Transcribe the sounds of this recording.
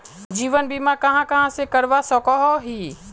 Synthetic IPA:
d͡ʒiːʋənbiːmakɐɦãkɐɦãsekəɾʋasɔkɔɦɔɦiː

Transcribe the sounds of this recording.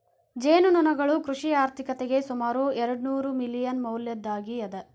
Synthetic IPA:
d͡ʒeːnununɐɡɐɭukɾuʂiaːɾt̪ʰikɐt̪eɡe̞sumaːɾuɛɾɐɽunuːɾumilijɐnmɐwljɐd̪ːaːɡiɐd̪ɐ

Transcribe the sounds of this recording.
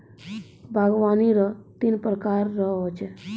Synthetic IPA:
bʱaɡʋaniɾɔt̪inpɾəkaɾːəɦot͡ʃʰe

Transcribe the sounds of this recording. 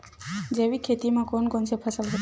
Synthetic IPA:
d͡ʒeʋikʰet̪imãkɔnkɔnsʰepʰəsəlɦ

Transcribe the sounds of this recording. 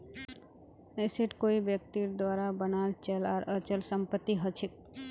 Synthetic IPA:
eseʈkoibjək̚t̪iɾd̪ʋaːɾabənalt͡ʃəlaɾət͡ʃəlsəmpət̪ːiɦət͡ʃʰik

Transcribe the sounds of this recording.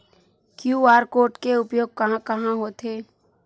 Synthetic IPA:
kjuaːɾkoːɾʈkeʊpjoːɡ̚kɐɦãkɐɦãɦoːt̪ʰeː

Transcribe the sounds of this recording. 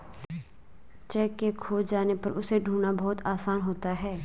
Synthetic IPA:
t͡ʃɛːkːekʰoːd͡ʒd͡ʒaːnepɐɾʊseɖʱuːnabɔːt̪aːsaːnɦoːt̪aɦɛː

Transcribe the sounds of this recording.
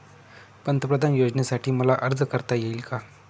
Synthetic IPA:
pənt̪əpɾəd̪ʱanjod͡znesaʈʰiːməlaʔəɾd̪ʱəkəɾt̪ajeilka

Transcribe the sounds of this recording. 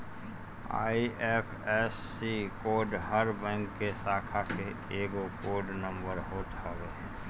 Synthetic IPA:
a̰ːiʔɛpʰɛːsːikoːɖɦəɾbɛ̃ːŋkːesaːkʰake | eːɡokoːɖnə̃mbəɾɦoːt̪aɡə

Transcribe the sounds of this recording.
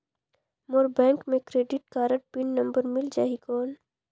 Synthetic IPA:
moɾbɛ̃ːŋkmẽkɾeːɖɪʈ̚kaːɾəʈ̚pɪnːɐ̃mbəɾmɪld͡ʒaːɦikɔːn

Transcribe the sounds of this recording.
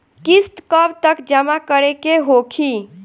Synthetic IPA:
kist̪kəbt̪əkd͡ʒəmakəɾekeɦokʰi

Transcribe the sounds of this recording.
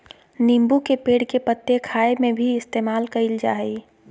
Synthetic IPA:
nimbukepeːɽkepət̪ːekʰaːemẽbʱiɪst̪eːmaːlkəɪld͡ʒa̰ːɦəi

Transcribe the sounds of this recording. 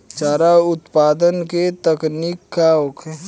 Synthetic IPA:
t͡ʃaːɾaʊt̪paːd̪ənket̪əkniːkːaokʰe

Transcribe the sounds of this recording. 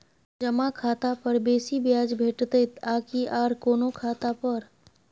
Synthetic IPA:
d͡ʒɐmakʰaːt̪apɐɾbeːsibjaːd͡ʒbʱeːʈt̪əɪt̪aːkiʔaːɾkoːnokʰaːt̪apɐɾ

